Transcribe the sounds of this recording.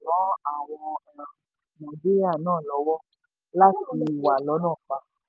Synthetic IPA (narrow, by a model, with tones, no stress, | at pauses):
wɔ̃˨˦a˦˨w̃ɔ˧˨ | mɔ̃˨de˦a˦˨nãː˦˨lɔ˨˦wɔ˦ | la˦ti˧˦nĩ˧˦i˨wa˨lɔ˨˦nãː˦˨fa˧